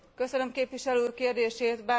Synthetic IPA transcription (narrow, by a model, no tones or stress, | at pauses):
kø̞sønø̞mkeːpʋiʃɛløːkeːrd̪eːʃeːt̪baː